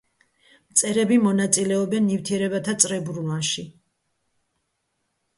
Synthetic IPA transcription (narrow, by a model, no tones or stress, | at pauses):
mt̪sʼɛɾɛbimɔnat̪sʼilɛɔbɛnːift̪ʰiɛɾɛβat̪ʰat̪sʼɾɛbɾulanʃi